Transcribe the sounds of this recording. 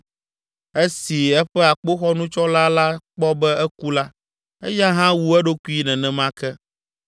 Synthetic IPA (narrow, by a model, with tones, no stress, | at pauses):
e˦si˨ɛ˦ɸɛ˦a˨k͡po˦xɔ˦nũ˦t͡ʃɔ˦la˦la˦k͡pɔ˦bɛ˦ɛ˦ku˦la˦ | ɛ̰˦ja˦ɦã˦wu˦ɛ˦ɖo˦ku˦i˦nɛ̃˨nɛ̃˨mã˦kɛ˦